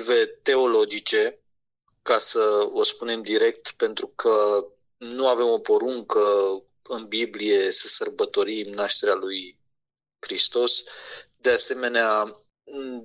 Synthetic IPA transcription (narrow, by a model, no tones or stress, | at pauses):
ve̞t̪e̞o̞lo̞d͡ʒit͡ʃe̞ | kasəo̞spune̞md̪iɾe̞k̚t̪pe̞nt̪ɾukʰə | nuave̞mo̞po̞ɾuŋkə | ɨnbiblije̞səsərbət̪o̞ɾimnaʃt̪e̞ɾaluj | kɾist̪o̞sd̪e̞ase̞me̞nea